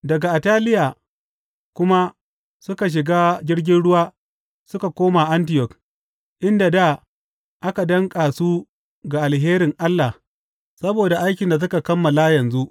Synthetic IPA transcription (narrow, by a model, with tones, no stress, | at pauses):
dɐ˨ɡa˨ʔi˨taː˦lɪ˦ja˨ | kʷʊ˦ma˦ | sʊ˦ka˨ʃ̬ɪ˨ɡaː˦d͡ʒʲɪ˦ɽɡʲɪ˦nɽʊ˦waː˦ | sʊ˦ka˨kʷoː˦maː˨ʔa˦ntɪ˨jɔ˨k | ʔɪ˦nda˨da˦˨ | ʔa˦ka˨dɐ˦ŋkʼaː˨su˦ | ɡa˨ʔa˨lɦeː˦ɾɪ˨ŋʔa˦lːa˨ | sɐ˦boː˨da˨ʔa˦jk̬ʲɪ˨nda˨s̬ʊ˦ka˨kɐ˦mːɐ˨la˦jɐ˨nzu˦ʔ